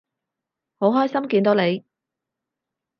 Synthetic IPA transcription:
ho˨˥wɦɔː˥jsɐ˥mkiː˧nt̪o˨˥wne˨˧j

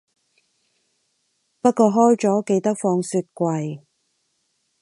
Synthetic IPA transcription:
pɐ˥t̚kɔː˧ɦɔː˥jt͡sɔː˨˥ke˧jt̪ɐ˥k̚fɔː˧ŋsyː˧t̚kʷɐ˨j

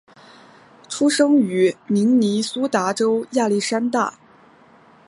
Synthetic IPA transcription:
ʈ͡ʂʰu˥ʂɤ˥ŋy˨˩mi˧˥ŋni˧˥su˥t̪a˧˥ʈ͡ʂo˥ʊja˥˧li˥˩ʂa˥nt̪a̰˥˩

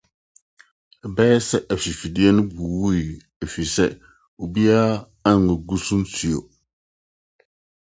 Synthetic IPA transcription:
bɛː˦sɛ˦ʔa˨fi˨fi˨di˦ɛ˦nɨ˦bu˨wu˦i˨ | a˨fi˨sɛ̰˦ | o˨bi˦a˦ | a˦ŋː˨ə˨ɡu˦su˦n˦tu˨jo˨

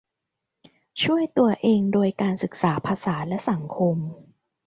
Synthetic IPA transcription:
t͡ɕʰu˥˩əjt̪u˧ɐʔeː˧ŋdoː˧jkaː˧nsɯ˨˩k̚saː˩˦pʰaː˧saː˩˦lɛ˦˥sa˩˦ŋkʰo˧m

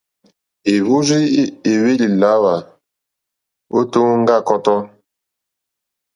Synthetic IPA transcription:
e˨βu˦zi˦e˨we˦li˨la˦wa˨ | o˦to˦ŋ˦ŋ˦ɡa˦˨kɔ˦tɔ˦

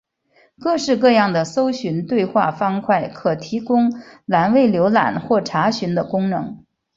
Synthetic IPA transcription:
kɤ˥˧ʂɻ̩˥˧kɤ˥˧jɑ˥˩ŋd̪ə˩so˥ʊɕy˧˥nt̪we˥˧ɪxwa̰˥˩fɑ˥ŋkʰwa˥˩ɪkʰɤ˨˩t̪ʰi˧˥kʊ˥ŋla˨˩nwe˥˩ɪljo˧˥ʊla̰˨˩nxwɔ˥˩ʈ͡ʂʰa˧˥ɕy˧˥nd̪ə˧kʊ˥ŋnɤ̰˧˥ŋ

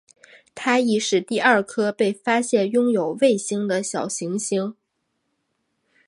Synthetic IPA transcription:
t̪ʰa˥i˧˥ʂɻ̩˥˩t̪i˥˧ɐ˞˥˩kʰɤ˥pe˥˩ɪfa˥ɕjɛ˥˩njʊ˥ŋjo˨˩ʊwe˥˩ɪɕi˥ŋd̪ə˨ɕjɑ˨˩ʊɕi˧˥ŋɕi˧˥ŋ

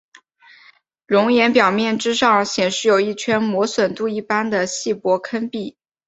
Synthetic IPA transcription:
ɻʊ˧˥ŋjɛ˧˥npjɑ˨˩ʊmjɛ˥˩nʈ͡ʂɻ̩˥ʂɑ˥˩ŋɕjɛ˨˩nʂɻ̩˥˩jo˨˩ʊi˥˩t͡ɕʰɥɛ˥nmwɔ˧˥swə˨˩nt̪u˥˧i˥˩pa˥nd̪ə˨ɕi˥˩pwɔ˧˥kʰə˥npi˥˩

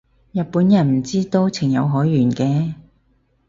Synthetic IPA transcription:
jɐ˨t̚puː˨˥njɐ˨˩nm̩˨˩t͡siː˥t̪o˧wt͡sʰɪ˨˩ŋjɐ˨˧wɦɔː˨˥jːyː˨˩nkɛː˧

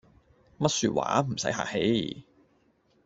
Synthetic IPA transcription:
mɐ˥t̚syː˧t̚wa̰ː˨˥m̩˨˩sɐ˨˥jha̰ː˨k̚he˨˥j

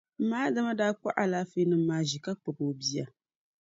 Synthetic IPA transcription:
m̩˨˦maː˦da˦ma˦daː˦k͡pa̰˦ʔa˨laː˦fe˦nɨ˦mːaː˦ʒi˨ka˦k͡pɨ˨boː˨bi˦ja˨

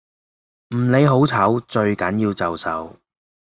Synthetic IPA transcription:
m̩˨˩ne˨˧jɦo˨˥wt͡sʰɐ˨˥wt͡ʃɵ˧ɥkɐ˨˥njiː˧wt͡sɐ˨wsɐ̰˨˥w

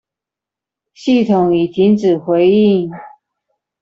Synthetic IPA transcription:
ɕi˥˩t̪ʰʊ˨˩ŋi˨˩t̪ʰi˧˥nt͡sɻ̩˨˩xwe˧˥ɪi˥˩ŋ

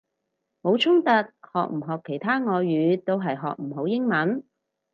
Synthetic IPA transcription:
mo˨˧wt͡sʰʊ˥ŋt̪ɐ˨˧t̚hɔ̰ː˨k̚m̩˨˩ɦɔː˨kʰːe˨˩jt̪ʰaː˥ŋɔː˨˧jɥyː˨˧t̪o˥wɦɐ˨jɦɔ̰ː˨k̚m̩˨˩ɦo˨˧˥wjɪ˥ŋmɐ˨˥n

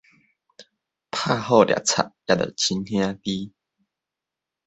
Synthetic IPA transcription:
pʰa˥˧˨ɦɔ˥˧˨ljʔa̰˨˩t͡sʰa̰˨ʔ̚ja˧˩tə̰˨˩t͡ɕʰi˧nhj̃ã˦t̪i˦

